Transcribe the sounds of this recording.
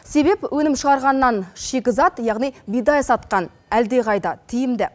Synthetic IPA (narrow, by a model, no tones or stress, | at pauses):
se̞be̞pwʔɵnɪmʃəʁɑɾʁɑnːɑnʃekʲɪzɑt̪jɑʁnijbijd̪ɑjsɑt̪qɑn | æld̪e̞ʁɑjd̪ɑt̪ʰɪjɪmd̪ɪ